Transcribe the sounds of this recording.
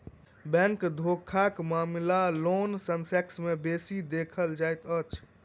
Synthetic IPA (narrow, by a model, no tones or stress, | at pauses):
bɛ̃ŋkd̪ʱokʰakmamlalonsənseksmebesid̪ekʰəld͡ʒajt̪ət͡ʃʰ